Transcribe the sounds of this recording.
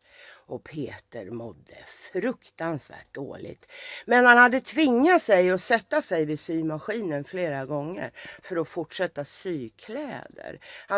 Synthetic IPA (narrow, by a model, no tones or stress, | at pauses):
ɔpʰeːt̪əɾmɔd̪ːə̰fɾɵkt̪ansvæ̰ːʈ̚d̪o̰ːlɪ̰ɡt̪mɛnhanhad̪ːət̪ʰvɪŋːat̪sɛjɔsɛt̪ːasɛjvɪsyːmaɧiːnənfleːɾaɡɔŋːə̰ɾfœɾɔfʊʈʂɛt̪ːasyːkʰlɛːd̪ə̰ɾha